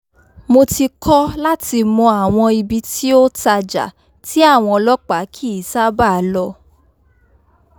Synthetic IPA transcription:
mo˧ti˧kʰɔ˦la˦ti˧mɔ̃˧a˨w̃ɔ̃˧i˧bi˧ti˦o˦ta˧d͡ʒa̰˨ | ti˦a˦˨w̃ɔ̃˧lɔ˦k͡pa˨˦kʰi˦˨sa˦ba˦˨˦lɔ˧

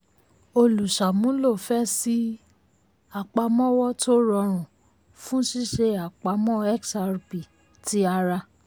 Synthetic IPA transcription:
o˧lu˨ʃa˨mũ˨˦lo˦˨fɛ˦si˦ | a˨k͡pa˧mɔ̃˦wɔ˦to˦ɾɔ˧ɾ̃ũ˨ | fũ˦ʃi˦ʃe˧a˨k͡pa˧mɔ̃˦ɛ˦ksa˧ɾbi˨ | ti˨˦a˧ɾa˧

